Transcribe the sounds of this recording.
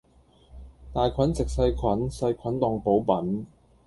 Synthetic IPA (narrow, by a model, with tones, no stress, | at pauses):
t̪aː˨jkʰɐ˨˥nt͡sɪ˨k̚sɐ˧jkʰwɐ˨˥nsɐ˧jkʰɐ˨˥nt̪ɔː˧ŋpo˨˥wpɐ˨˥n